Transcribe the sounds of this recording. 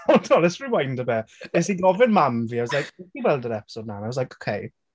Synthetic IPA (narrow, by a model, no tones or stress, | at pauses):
ɔdʰɔlˠɛsɹɪmajndəbɛɛsiɡɔvɪnmamviːaɪwɔslajkɛdiwɛlˠdəɾɛpɪ̥sod̚nanaɪwslajkokʰej